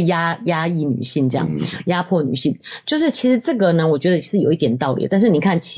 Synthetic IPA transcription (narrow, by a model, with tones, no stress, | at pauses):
ja˥ja˥i˥˩ny̰˨˩ɕi˥˩nʈ͡ʂɤ˥˧jɑ̰˥˩ŋja˥pʰwɔ˥˩ny̰˨˩ɕḭ˥˩nt͡ɕjo˥˧ʊʂ̬ɻ̩˥˩t͡ɕʰi˧˥ʂɻ̩˧˥ʈ͡ʂɤ˥˩ɡə˩nə˦wɔ˨˩t͡ɕɥɛ˧˥d̪ə˧t͡ɕʰi˧˥ʂɻ̩˥˩jo˨˩ʊi˥˩t̪jɛ˨˩nt̪ɑ˥˩ʊlḭ˨˩˦t̪a˥˧nʂɻ̩˥˩ni˨˩kʰa˥˩nt͡ɕʰ